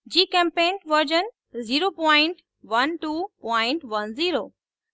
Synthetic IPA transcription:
d͡ʑiːkɛ̃mpẽːnʈʋəɾd͡ʑən | ziːɾoːpɔ̃ːɪ̃ɳʈ | ʋɐnʈuːpɔ̃ɪ̃ɳʈʋɐnziːɾoː

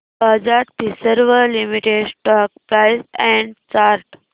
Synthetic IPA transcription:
bad͡ʒaʈp̪isəɾʋəɾlimiʈeɖsʈɔk̚pɾaɪsɛ̃ɳɖt͡ʃaːɾʈ

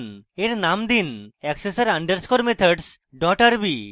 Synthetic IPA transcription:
neɾnamd̪inɛksesaɾaɳɖeɾskoɾmet̪ʰəɖs | ɖɔʈaɾbi

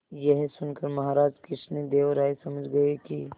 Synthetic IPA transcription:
jɐɦsʊnkəɾmɐɦaːɾaːd͡ʒkɪsned̪eːʋɾaːesɐməd͡ʒɡɐeki

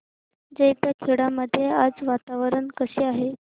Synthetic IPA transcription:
d͡zeit̪jakʰeɽaməd̪ʱːjead͡zʋat̪aʋəɾəɳkəseːaɦe

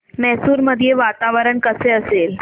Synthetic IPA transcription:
mɛɦsuːɾməd̪ʱjeʋat̪aʋəɾəɳkəseəsel

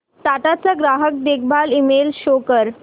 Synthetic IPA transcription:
t̪at̪at͡saɡɾaɦək̚d̪ek̚ʰbʱalimelɕokəɾ

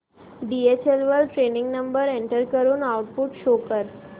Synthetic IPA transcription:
ɖiet͡ɕelʋəlʈɾenɪŋɡnəmbəɾeɳʈəɾkəɾunawʈpuʈʃokəɾ

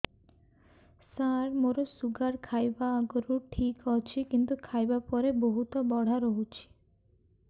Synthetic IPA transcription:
saɾmoɾosuɡaɾkʰajbaːɡɔɾuʈʰikɔt͡ʃʰikint̪ukʰajbapɔɾeboɦut̪ɔbɔɽ̤aɾoɦut͡ʃʰi̥

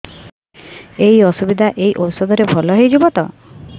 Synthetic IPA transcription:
ejɔsubid̪ʱaʔejʔowsɔd̪ɔɾebʱɔlɔɦejd͡ʒubɔt̪ɔ

